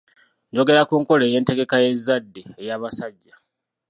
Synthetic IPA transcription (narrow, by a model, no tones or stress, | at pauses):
nd͡ʒo̞ɡe̞ɾakuːŋko̞le̞ːje̞ːnte̞ɡe̞kaje̞zːadːeejaːβasaɟːa